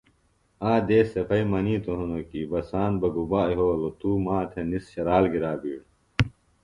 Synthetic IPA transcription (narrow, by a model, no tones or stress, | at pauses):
aːd̪eːsepʰɐimɐniːt̪oɦunokibɐsaːnbɐɡubaːiɦoːlot̪uːmaːt̪ʰenisɕɐɾaːlɡiɾaːbiːɽ